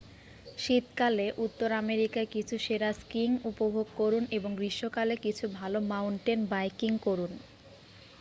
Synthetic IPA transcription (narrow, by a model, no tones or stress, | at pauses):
ʃit̪kaleʔut̪ːoɾameɾikaekit͡ɕʰuʃeɾaskiŋupobʱoɡ̚koɾuneboŋɡɾiʃːokalekit͡ɕʰubʱalomawɳʈenbajkiŋkoɾun